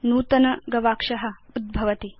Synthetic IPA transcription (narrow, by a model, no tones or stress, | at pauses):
nuːt̪ɐnɐɡɐʋaːkʂɐɦɐ̆ud̪̚bʱɐʋɐt̪i